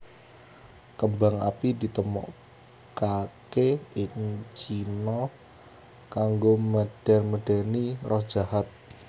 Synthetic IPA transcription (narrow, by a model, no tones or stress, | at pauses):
kəmbaŋa̰pidit̪əmɔ̰ʔ | kakeʔɪŋt͡ʃinɔh | kaŋɡoməɖ̥a̤rməɖ̥anirɔhd̥ʒ̥ahat̪̚